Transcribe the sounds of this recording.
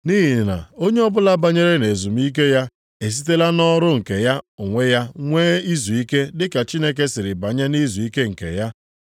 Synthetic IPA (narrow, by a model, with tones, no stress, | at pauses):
niː˦ɦi˨na̰˨o˦ɲe˦ɔ˦bʊ˦la˦ba˨ɲe˦ɾe˦ne˨zu˨m˦i˦k̬e˦ja˦ | e˨s̬i˦t̬e˦la˦nɔ˦ɾʊ˦ŋ̩˨ke˨ja˦ʊ˨ŋʷe˦ja˦ŋʷeː˦i˦zu˨i˦ke˦dɪ˦ka˨t͡ʃi˦ne˦k̬e˦sɪ˨ɾɪ˨ba˨ɲa˦ni˦zu˨i˦ke˦ŋ̩˨kḛ˨ja˦